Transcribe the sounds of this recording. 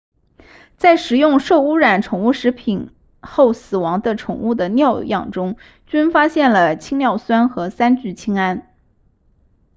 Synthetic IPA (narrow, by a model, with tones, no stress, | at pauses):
t͡sa˥˩ɪʂɻ̩˨˧˩jʊ˥˧ŋʂo˥˧ʊu˥ɻa˨˩nʈ͡ʂʰʊ˨˩ŋu˥˩ʂɻ̩˧˥pʰi˨˩n | xo˥˩ʊsɹ̩˨˩wɑ˧˥ŋd̪ə˧ʈ͡ʂʰʊ˨˩ŋu˥˩d̪ə˩njɑ˥˧ʊjɑ̰˥˩ŋʈ͡ʂʊ˥ŋ | t͡ɕy˥nfa˥ɕjɛ˥˩nlə˩t͡ɕʰi˥ŋnjɑ˥˩ʊswa˥nxɤ˧˥sa˥nt͡ɕy˥˩t͡ɕʰi˥ŋa˥n